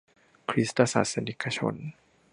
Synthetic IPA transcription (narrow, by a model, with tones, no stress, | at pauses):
kʰɾi˦˥st̪a˧sa̰˨˩t̪̚sa˧ni˦˥kʰa˧t͡ɕʰo̰˧n